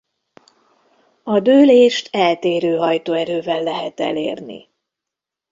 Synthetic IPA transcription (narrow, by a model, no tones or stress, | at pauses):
ɒd̪øːleːʃt̪ɛlt̪eːɾøːɦɒjt̪oːɛɾøːvɛlːɛɦɛt̪ɛ̰lḛːrnḭ